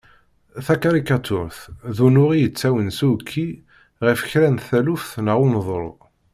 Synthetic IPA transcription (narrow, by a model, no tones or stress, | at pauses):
θækaɾikat̪ʰʊɾθðunʊʁijət͡sːæwənsukʰːi | ʁəfə̥çɾænθælufθnəʁunðˤəɾˤ